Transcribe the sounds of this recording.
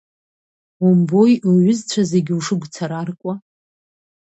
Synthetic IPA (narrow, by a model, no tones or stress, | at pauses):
umbojɥʊzt͡ɕʷʰaze̞ɡʲuʂɨɡʷt͡sʰaɾarkʷʼa